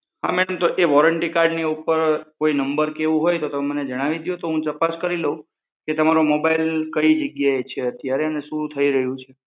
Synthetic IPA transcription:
ɦa̰mɛɽəmt̪oʔeʋɔɾəɳʈikaɾɖniupəɾkoinəmbəɾkeʋũɦojt̪ot̪əmeməned͡ʒəɽ̃aʋid̪jõt̪oɦũt̪əpaskəɾiləɦũ | ket̪əmaɾomobailkəid͡ʒəɡjaet͡ʃʰeət̪jaɾeənesuɾut̪ʰəiɾəɦjũt͡ʃʰe

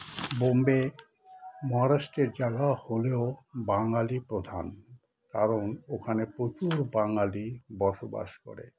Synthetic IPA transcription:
bombe | mɔɦaɾaʃʈeɾd͡ʑaɡaholeobaŋalipɾod̪ʱa̰n | kaɾonokʰanepɾot͡ɕuɾbaŋalibɔɾʃoba̰ʃko̰ɾḛ

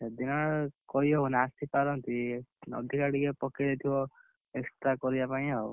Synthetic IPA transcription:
ed̪inɔkɔiɔwnːst̪ipaɾɔnt̪inɔ̰d̪ʱikaɽikepɔkid̪et̪ʰibɔ | ekst̪ɾakɔɾibapaĩɦɔ

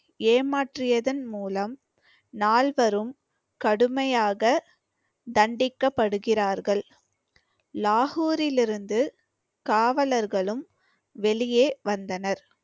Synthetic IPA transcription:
eːmaːʈrɪjɐðɐnmuːlɐm | naːlʋɐɾɯm | kɐɽɯmɐjaːɣɐ | d̪ɐɳɖɪkːɐpːɐɽɯɣɪraːɾɣɐɭ | laːɣuːɾɪlɪɾɯnd̪ɯ | kaːʋɐlɐɾɣɐɭɯm | ʋɛɭɪjeːʋɐnd̪ɐnɐɾ

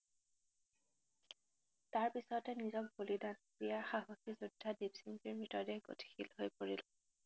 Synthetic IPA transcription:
taɹpisɔtɛnizɔk̚bolidanpijaxaɦokizudʱːadibsimpiɹmɹitɔdɛxɡo̰tʰi̥xilɦojpoɹil

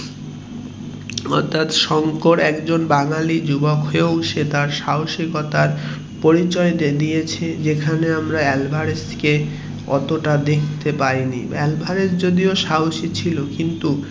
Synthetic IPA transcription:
ɔ̰t̪ʰːat̪ʃɔŋkoɾɛkd͡ʑonbaŋalid͡ʑubokɦoeʃet̪aɾʃawʃikɔt̪aɾ | poɾit͡ɕɔed̪ijet͡ɕʰed͡ʑekʰaneamɾaɛlbʱaɾeske | ɔ̰t̪oʈad̪ekʰt̪epaɾinḭɛlbʱaɾesd͡ʑod̪ioʃawʃit͡ɕʰilokint̪u

